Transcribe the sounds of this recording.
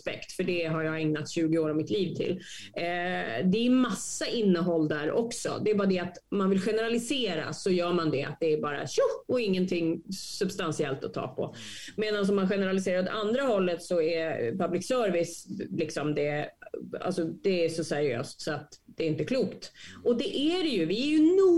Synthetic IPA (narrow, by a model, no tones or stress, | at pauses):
spɛ̰kt̪fœɖɛɦaɾjɑːɡɛŋnat̪ɕʉ̟ːɡɪoːɾavmɪt̪ʰliːvt̪ʰɪ̰lː | d̪ɛmasːaʔɪnːəɦɔld̪æɾʔɔ̰ksɔ̰d̪ɛːbɑːɾad̪ɛat̪ɔmanvɪlɧɛnəɾalɪseːɾa̰sɔjœːɾmand̪ɛa̰t̪̚d̪ɛːɾbɑːɾa̰ɕɔɔɪŋːənt̪ʰɪŋːsɵbst̪ansɪɛlt̪ɔt̪ʰːɑ̰ːpʰɔ̰ | meːd̪ans̬ɔmːanɧɛnəɾalɪseːɾaɾɔt̪ʰa̰nd̪ɾaɦɔlːət̪sɔæpʰablɪksœːɾvɪslɪksɔmd̪ɛ | a̰lsɔd̪̥ɛːʂɔsæɾɪø̰ːst̪sɔat̪d̪ɛːɪnt̪əkʰluːkt̪ɔd̪ɛʔæɖɛjɵvɪæɾjɵnuː